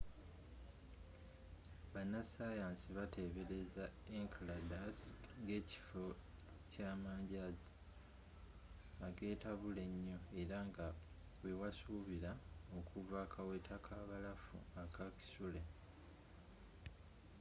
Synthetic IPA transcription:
βanːasajaːnsiβatʰe̞βe̞ɾe̞zaeŋkladasŋɡe̞ːci̥fo̞ | caːmaːɲɟaːzi | aɡe̞ːtaβule̞ɲːo̞e̞ɾaŋɡa | wewasuːβiɾao̞kʰuvaːkʰawe̞tʰakʰaːβalafṵakaki̥sule̞

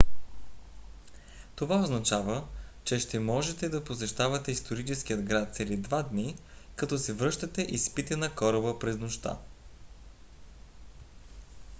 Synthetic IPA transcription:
t̪ovaoznɐt͡ʃavət͡ʃɛʃt̪ɛmɔʒɛt̪ɛd̪ɐposɛʃt̪avɐt̪ɛist̪oɾit͡ʃɛskiəd̪ɡɾat̪sɛlid̪vad̪ni | kɐt̪ɔsɛvɾɤʃt̪ɐt̪ɛʔispit̪ɛnɐkɔɾɐbəpɾɛznoʃt̪a̰

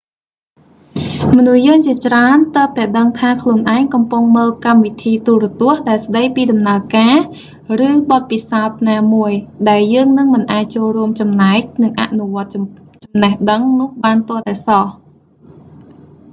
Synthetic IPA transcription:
mɔnuhjəːŋt͡ɕiət͡ɕraənt̪əːp̚t̪aɛɗəŋt̪ʰaːkʰluənʔaɛŋkɑmpʊŋməːlkamʋit̪ʰiːt̪urɔ̆ət̪ʊ̆əhɗaɛlsɗəjpiːɗɑmnaəkaː | rɨːɓɑt̪̚pisaɔt̪̚naːmuəjɗaɛljəːŋnɨŋmɨnʔaːc̚t͡ɕoːlruəmt͡ɕɑmnaɛk̚nɨŋʔa̰ʔnuʋŏət̪̚t͡ɕɑmnəhɗəŋnʊ̆əhɓaːnt̪ʊ̆əlt̪aɛsɑh

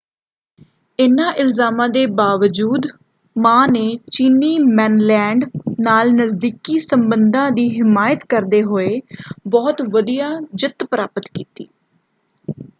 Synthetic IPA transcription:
ɪnãːʔɪlzaːmãːd̪eːbaːʋəd͡ʒuːd̪ | mãːneːt͡ʃiːniːmɛːnlɛ̃ːɳɖnaːlnəzd̪iːkiːsəmbənd̪ãːd̪iːɦɪmaːjət̪kəɾd̪eːɦoːeːbɔːt̪ʋəd̪ijaːd͡ʒɪt̪pəɾaːpət̪kiːt̪ḭː

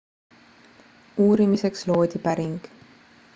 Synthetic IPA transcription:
uːɾimise̞kslo̞ːd̪̥ʲipæɾiŋɡ̥

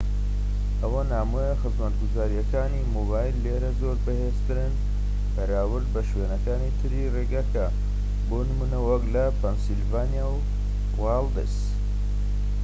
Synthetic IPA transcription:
ʔɐwɐnaːmujexɨzmɐt̪ɡuzaːɾijɐkaːnimobaːjlːeɾɐzoːɾbɐhest̪ɨɾɨn | bɐɾaːwɨɾd̪̚bɐʃweːnɐkaːnit̪ʰɨɾireːɡakɐ | boːnɨmunɐwɐklɐpʰɐnsilvaːnijaw | wald̪ɨs

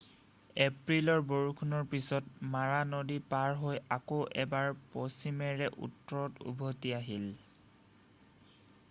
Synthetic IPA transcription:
epɹilɔɹboɹukʰunɔɹpisɔt̚maɹanodipaɹɦojakoʔɛbaɹpɔsimɛɹɛʔṵtːɔɹɔtṵbʱotiaɦil

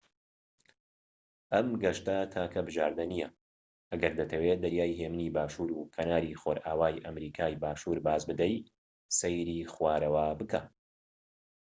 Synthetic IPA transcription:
ʔɐmɡɐʃt̪ɐt̪ʰaːkʰɐbɨʒaːɾd̪ɐnijɐ | ʔɐɡɐɾd̪ɐt̪ʰɐweːd̪ɐɾjaːjɦemɨniːbaːʃuːɾukʰɐnaːɾiːxoːɾʔaːwaːjʔɐmɾiːkʰaːjbaːʃuːɾbaːzbɨd̪ɐj | sejɾiːxwaːɾɐwaːbɨka

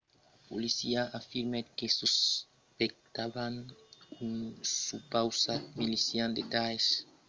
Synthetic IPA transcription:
polisiaafiɾmekesus | pek̚t̪aβanuŋsupawsamilisjãnd̪et̪ajs

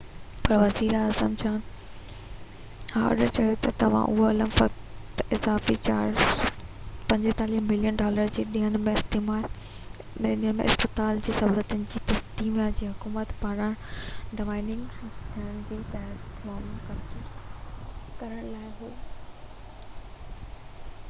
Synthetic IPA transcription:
pɐɾʋɐziːɾaːzəmt͡ɕʰaːn | hãːɐ̰ɗəɾt͡ɕɐjot̪ɐt̪ɐʋ̤ã̰ʔʊɦoɐləmfɐk | tt̪ɪzaːfit͡ɕa̰ːɾ | pɐ̃ɲd͡ʑt̪aːliːɦmɪlijənɖɔːləɾd͡ʑeːɗĩːəñmẽɪst̪eːmaːl | ɗĩːəñmḛ̃ɪ̰spɪt̪aːld͡ʑiːsɐɦuːɾət̪ʊnɪ̆d͡ʑiːt̪ɐsd̪iːmjad͡ʑiːɦʊkuːmət̪paːɾãɖɪʋaːɪnɪ̃ŋɡt̪ʰiəñd͡ʑiːt̪ɐɦət̪fɔːmkɐ | kɐɾəɽ̃laːɪɦoː

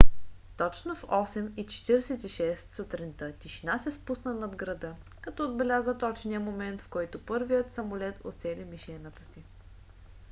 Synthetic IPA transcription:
t̪ɔt͡ʃnofɔsɛmit͡ʃɛ̥t̪iɾɛsɛt̪iʃɛst̪sut̪ɾint̪ət̪ʲiʃinasɛspusnənɐd̪ɡɾɐd̪ɤ | kɐt̪ɔːd̪bɛlʲazət̪ɔt͡ʃniəmomɛnt̪fkɔjt̪ʊpɤɾvijət̪sɐmolɛt̪ʰo̰t̪sɛlimiʃɛnət̪ə̥si

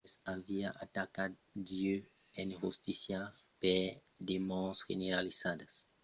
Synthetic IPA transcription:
saviaʔat̪akad̪d̪iøẽnhust̪isjape | d̪emaõsʒḛneɾalisad̪ɐs

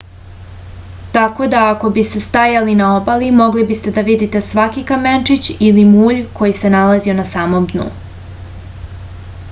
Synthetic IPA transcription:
t̪ako̞d̪aːko̞bist̪e̞st̪ajalinao̞balimo̞ɡlibist̪e̞d̪aʋid̪it̪e̞sʋakikament͡ʂit͡ɕilimuːʎko̞jise̞nalazio̞nasaːmo̞md̪nṵ

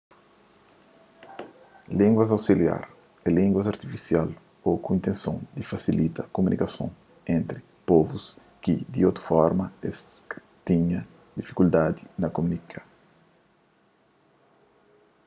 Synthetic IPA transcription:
lĩŋɡwɐzawsilja̰ɾ | ɛlĩŋɡwɐzaɾt̪ifisjal | okuĩnt̪ẽnsõ̰d̪ifasilit̪ɐkomunʔikɐsõ̰ | ẽnt̪ɾi | pɔvus | kid̪iot̪ɾu̥fɔɾmɐes | t̪iɲɐ | d̪ifi̥kuld̪ad̪inɐkomunikʰa

